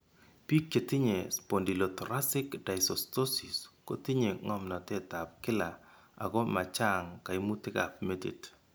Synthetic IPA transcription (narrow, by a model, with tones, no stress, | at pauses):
pi˦kːe˨ti˦ɲe˨spo˨ndi˨lɔ˨tɔɾasɪ˦kda˨jsɔsto˦si˨sko˦ti˦ɲe˨ŋɔ˦mna˨te˦ta˨p̚kɪ˦la˨ | a̰˨kɔ˦ma˨t͡ʃa˦ŋka˨i˦mu˦tɪ˦ka̰pme˦tḛ˨t